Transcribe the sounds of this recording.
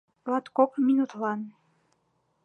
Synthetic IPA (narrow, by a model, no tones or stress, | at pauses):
lɑt̪kokminut̪lɑn